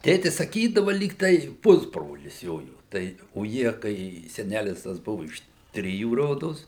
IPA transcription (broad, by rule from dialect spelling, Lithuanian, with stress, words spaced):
ˈtʲeːtʲɪs sɐˈkʲiːdɐʋɐ ˈlʲiːk tɐɪ ˈpʊzbroːlʲɪs ˈjoːjoː ˈtɐɪ oː ˈjiɛ kɐɪ sʲɛˈnʲælʲɪs tɐs ˈbʊʋʊ ɪʃ ˈtʲrʲɪjuː ˈroːdoːs